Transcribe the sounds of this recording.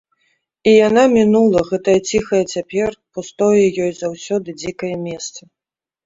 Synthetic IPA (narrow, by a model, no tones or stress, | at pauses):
ijanamʲinulˠɐɣɛt̪ɐjɐt͡sʲixɐjɛt͡sʲapʲɛrpust̪ɔjɛjɔjzawsʲɔd̪ɨd͡zʲikɐjɐmʲɛst̪sɐ